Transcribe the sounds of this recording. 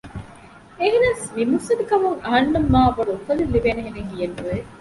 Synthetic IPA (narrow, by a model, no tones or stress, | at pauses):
eɦinaːsmimusɐd̪ukɐmuŋɐɦɐnːɐmːaːʋɐɽuːkɐlilːibeːneɦeneŋɦijɐnːuʋe